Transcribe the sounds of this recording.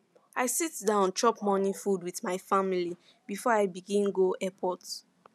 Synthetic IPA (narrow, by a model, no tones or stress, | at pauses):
aɪsitdãnt͡ʃʰɔpmɔnĩfudwiθmaɪfamili | bifɔaɪbiɡĩnɡoʔɛpʰɔt